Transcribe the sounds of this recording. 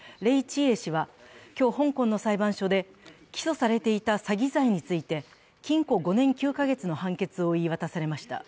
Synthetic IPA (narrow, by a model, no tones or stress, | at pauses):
ɾe̞it͡ɕie̞ɕiβakʲo̞ːhõ̞ŋkõ̞nːo̞saibãɰ̃ɕo̞d̪e̞ | kʲi̥so̞saɾe̞t̪e̞it̪asaɡʲizaiɲ̟it͡sɨit̪e̞ | kʲĩŋko̞ɡo̞nẽ̞ŋkʲɨːkaɡe̞t͡sɨno̞hãŋke̞t͡sɨo̞iβat̪asaɾe̞maɕi̥t̪a̰